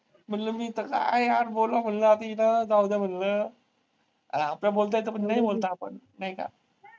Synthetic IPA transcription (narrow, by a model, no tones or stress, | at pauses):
m̤ənləmiːt̪əka̰jaɾbolam̤ənləat̪inad̪aud̪am̤ənlə | aplabolt̪̬əet̪̬əpənːaɦibolt̪aːpənːaika̰